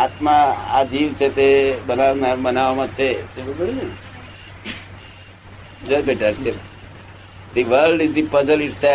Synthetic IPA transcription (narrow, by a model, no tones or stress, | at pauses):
at̪mãa̰d͡ʒiʋt͡ʃʰet̪ebənanabənaʋmãt͡ʃʰet̪ebbəɽid͡ʒe | d͡ʒobeʈase | d̪iʋəlɖizd̪ipəzəlɪʈse